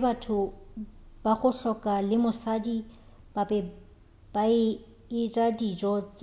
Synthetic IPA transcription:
batʰʊ | b̥aχʊɬɔkʼalɪmʊsadi | b̥apɛ | b̥aɪ | ɪrʼadid͡ʒɔt͡s

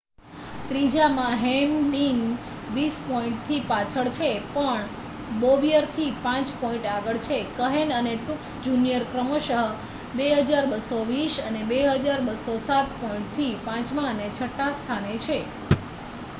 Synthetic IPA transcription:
t̪ɾid͡ʒamãɦemlin | ʋispɔĩɳʈ̚t̪ʰipat͡ʃʰəɭt͡ʃʰepəɳ | boʋijəɾt̪ʰipãt͡ʃpɔĩɳʈaɡəɭt͡ʃʰekəɦenəneʈuksd͡ʒunijəɾkɾəmoʃəɦ | beɦəd͡ʒaɾbəsoʋiʃənebeɦəd͡ʒaɾbəsosat̪pɔĩɳʈ̚t̪ʰipãt͡ʃmãənet͡ʃʰəʈːast̪ʰanet͡ʃʰe

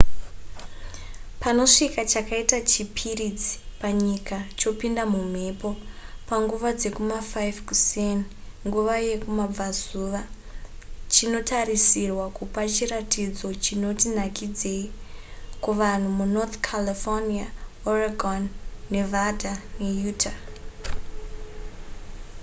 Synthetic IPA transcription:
pano̞ʂikat͡ʃakaitat͡ʃipʰirid͡zi̥paɲikat͡ʃo̞pindamum̤e̞po̞paŋɡuʋad͡ze̞kumafajvkusen | ŋɡuʋaje̞kumab͡vazuːʋa | t͡ʃino̞tarisirwakupat͡ʃiratid͡zo̞t͡ʃino̞tin̤akid͡ze̞i | kuʋan̤umunot̪kʰalifoniaoraɡʱonːe̞vadanejuːtʰa

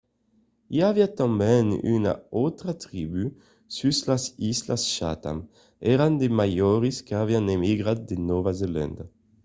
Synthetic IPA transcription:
iavjat̪ɑ̃bɛny̰na̰ot̪ʁat̪ʁiːby | syslasislasʃa̰t̪a̰m | ɛʁãnd̪emajɔːʁiskavjãnemiɡʁat̪̚d̪enɔvazelɛ̰̃nd̪

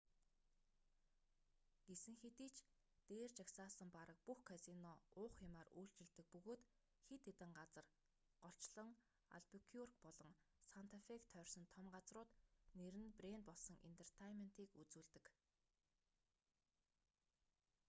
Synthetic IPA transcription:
ɡ̥esɘ̆ŋxet̪iːt͡ɕ | t̪eːrt͡ɕaksaːsə̆mpaɾə̆k̚puxkʰasinɔʊːχxɪmaːruːɬt͡ɕɪ̆ɮt̪ɘ̆k̚pɵɣoːt̪ | xet̪et̪ɘ̆ŋɢat͡sə̆r | ɢ̥ɔɬt͡ɕɮə̆ŋ | a̰ɮpikʰjurkpɔɮɞ̆ŋ | sant̪ʰefekt̪ʰœːrʲsɞ̆nt̪ʰɔmɢat͡srʊːt̪neɾɘ̆nprent̪̚pɔɮsɞ̆ŋʔḛnt̪ʰer̥t̪ʰajmen̥t̪iːkut͡suːɮt̪ɘ̆k

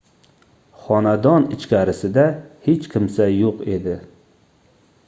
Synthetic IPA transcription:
χɒnad̪ɒnɪt͡ʃkʲʰaɾɪsɪd̪ahet͡ʃkʲʰɪmsajoqed̪ɪ

